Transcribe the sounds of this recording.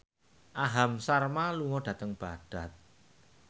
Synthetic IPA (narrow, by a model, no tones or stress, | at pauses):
ʔaɦamsarmaluŋɔɖ̥ä̤t̪əŋb̥aɖ̥a̤t̪̚